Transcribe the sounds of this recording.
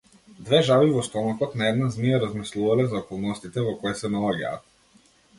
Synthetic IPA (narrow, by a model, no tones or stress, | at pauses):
d̪vɛʒavivɔst̪ɔmakɔt̪naɛd̪naznijaɾazmislˠuvalɛzaɔkɔlˠnɔst̪it̪ɛvɔkɔɛsɛnalaɟa̰ːt̪̚